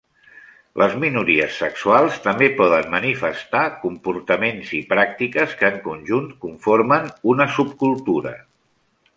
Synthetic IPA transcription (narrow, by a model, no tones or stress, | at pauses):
lʔəzminuɾiəsːəksualˠst̪əmbepɔðənmənifəst̪akumpuɾt̪əmenzipɾak̚t̪ikəskəːŋkunʒunt̪kuɱfoɾmənunəsup̚kulˠt̪uɾə̰